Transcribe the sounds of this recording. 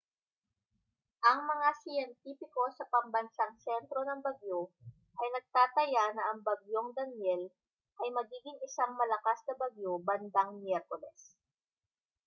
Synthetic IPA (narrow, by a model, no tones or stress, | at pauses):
ʔɐŋmɐŋasɪjɛnt̪iːfɪko̞sɐpɐmbɐnsaŋsɛnt̪ɾo̞nɐŋbɐɡjo | ʔɐjnɐɡ̚t̪aːt̪ɐjanɐʔɐŋbɐɡjoŋd̪ɐnjɛl | ʔɐjmɐɡiːɡɪŋɪsaŋmɐlɐkasnɐbɐɡjobɐnd̪aŋmjɛɾkolɛs